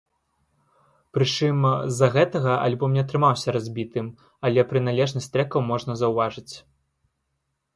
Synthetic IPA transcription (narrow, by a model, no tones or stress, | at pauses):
pɾɨt͡ʂɨmzːɐɣɛt̪ɐɣɐʔa̰lʲbɔmnʲɛt̪ɾɨmawsʲɐɾazʲbʲit̪ɨm | ɐlʲɛpɾɨn̪alʲɛʐnɐsʲt̪ɾɛkɐwmɔʐnɐzɐwvaʐɨt͡sʲ